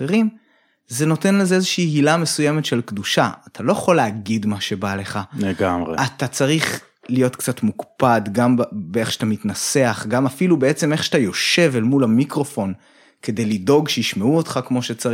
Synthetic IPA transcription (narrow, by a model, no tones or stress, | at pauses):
eʁim | ze̞no̞te̞nlezeezeʃiːhilame̞suje̞me̞tʃe̞lkd̪uʃaat̪ʰalo̞jeχo̞leːɡid̪maʃe̞bale̞χaleɡamʁeat̪at͡saʁiχ | lijo̞tkt͡satmukpadɡambbeeχʃeat̪amitnase̞aχɡamafilube̞e̞t͡se̞meχʃeatajo̞ʃe̞velmulamikʁo̞fo̞n | ke̞d̪e̞jlido̞ɡʃejiʃmeuot̪χakmo̞ʃe̞t͡sa